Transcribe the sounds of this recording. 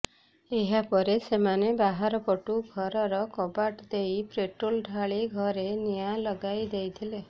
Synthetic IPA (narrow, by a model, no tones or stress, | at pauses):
eɦapɔɾesemanebaɦaɾɔpɔʈuɡʱɔɾɔɾɔkɔbaʈd̪ejpɾeʈɾolɖʱaɭiɡʱɔɾenijalɔɡajd̪ejt̪ʰile